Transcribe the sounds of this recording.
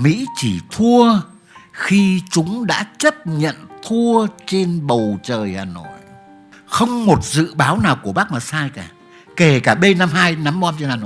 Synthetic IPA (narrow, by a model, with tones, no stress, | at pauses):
mḭ˧˥t͡ɕi˧˩t̪ʰu˧ə | xi˧t͡ɕʊ˨˦ŋ͡mɗa̰ː˧˥t͡ɕə˦˥p̚ɲə̰˧˨nt̪ʰu˧ət͡ɕe˧nɓə˨˩wt͡ɕəː˨˩jhaː˨˩no̰˧˨j | xə˧wŋ͡mmo˨˩t̚zɨ̰˧˨ɓaː˨˦wnaː˨˩wku˧˩əɓa˦˥k̚maː˨˩saː˧jkaː˧˩ | ke˧˩kaː˧˩ɓe˧nːa˧mhaː˧jna˨˦mɓɔ˧mt͡ɕe˧nhaː˨˩no̰˧˨